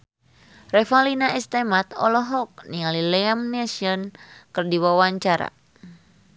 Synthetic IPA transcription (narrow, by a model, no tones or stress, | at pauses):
rɛfalinaist̪ɛmat̪ɔ̰lɔɦɔk̚niŋalilɛamnɛsiɔnkɨrdiwawaɲt͡ʃaɾa̰